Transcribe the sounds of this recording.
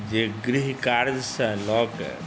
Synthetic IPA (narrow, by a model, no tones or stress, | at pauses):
d͡ʒeɡɾiɦkaɾd͡ʒsə̃lɔkɛ̰